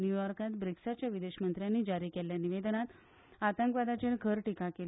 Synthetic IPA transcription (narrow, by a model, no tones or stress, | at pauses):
njujɔɾkat̪bɾiksat͡ɕjaʋid̪eɕmənt̪ɾjanːiːd͡ʑaɾiːkeljaniʋed̪ənat̪ | at̪əŋkʋad̪at͡ɕelɡʱəɾʈikake